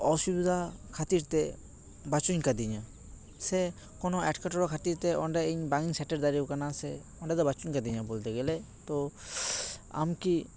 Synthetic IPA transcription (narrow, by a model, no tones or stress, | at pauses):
ɔsubid̪ʱakʰat̪iɾt̪ɛ | bat͡ʃuɲkad̪iɲa | sɛ | kɔnɔɛʈkaʈɔɽɔkʰat̪iɾt̪ɛʔɔɳɖaeɲbaŋiŋsɛʈɛɾd̪aɾikanasɛ | ɔɳɖad̪ɔbat͡ʃuɲkad̪iɲabɔlt̪ɛɡɛlɛ | t̪ɔ | a̰mki